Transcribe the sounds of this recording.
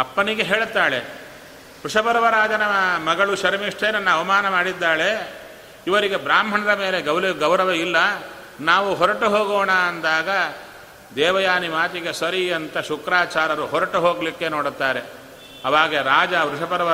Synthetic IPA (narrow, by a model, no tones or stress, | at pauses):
ɐpːɐniɡeɦeːɭt̪ːaːɭe | ʋɾuʂɐpɐɾɐʋɐɾaːd͡ʒɐnɐmɐɡɐɭuʃɐɾmiʂʈʰenɐnːɐɐʋɐmaːnɐmaːɽid̪ːaːɭe̞ | iʋɐɾiɡe̞bɾaːmɦɐɳɐɾɐmeːle̞ɡɐwɾɐɡɐwɾɐʋɐilːɐ | naːʋuɦɔɾɐʈuɦoːɡoːɳaːnd̪aːɡɐ | d̪ɛːʋɐjaːnimaːt̪iɡesɐɾiɐnt̪ɐʃukɾaːt͡ʃaːɾɐɾuɦɔɾɐʈuɦoːɡɐlikːe̞noːɽt̪ːaːɾe̞ | ɐʋaːɡɐɾaːd͡ʒɐʋɾuʂɐpɐɾɐʋɐ